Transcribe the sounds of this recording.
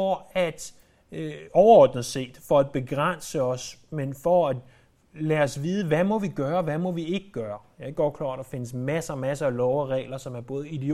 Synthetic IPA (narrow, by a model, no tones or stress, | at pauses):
ɒæd̥ | ɒʊɐɒːd̥n̩ˠse̝̰ːd̥fɒ̽æd̥̚b̥e̝ɡ̥ʁan̰səɒ̽smenfɒæd̥ | lɛːɒsʋiːð̞ˠəʋæmɒ̽ʋiɡ̥ɶːɐʋæmɒ̽ʋie̝ɡ̥əɡ̥ɶːɐjɑɐɡ̥ɒd̥̚kʰlɑ̈ːd̥d̥ɑ̈fe̝nəsmæsmæsəælɒʊæʁɛ̰ːlɐsɒ̽mæɐb̥ɔ̽ːð̩ˠid̥e